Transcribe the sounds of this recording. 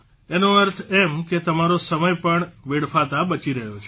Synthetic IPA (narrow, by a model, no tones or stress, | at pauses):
enoəɾt̪ʰemket̪əmaɾosəməjpəɳʋeɽfat̪abət͡ʃiɾəɦjot͡ʃʰ